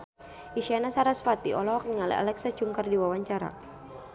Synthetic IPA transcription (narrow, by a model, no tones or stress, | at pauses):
iʃianasaɾasfat̪iɔ̰lɔɦɔk̚niŋalɛ̰a̰lɛksat͡ʃuŋkərdiwawaɲt͡ʃaɾa̰